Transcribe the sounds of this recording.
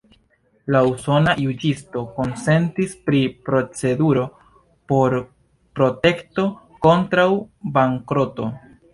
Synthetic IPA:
lauso̞najud͡ʒisto̞ko̞nse̞ntispɾipɾo̞t͡se̞duɾo̞ | po̞ɾ | pɾo̞te̞kto̞ | ko̞ntɾawbaŋkɾo̞to̞̰

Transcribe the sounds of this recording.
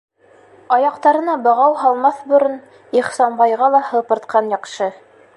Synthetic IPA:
ɑjɑqt̪ɑɾɤ̆nɑbɤ̆ʁɑwɦɑlˠmɑθbɵ̆ɾɤn | iχsɑnbɑjʁɑlˠɑhɤ̆pɤ̆ɾt̪qʰɑnjɑqʃɤ

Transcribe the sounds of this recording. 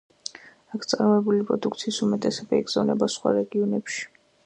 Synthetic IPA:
akʰt̪sʼaɾmɛbulipʼɾɔd̪ukʰt̪sʰiːsumɛt̪ʼɛsɛbaiɡz̥avnɛbasχwa̰ɾɛɡiɔnɛpʃi̥

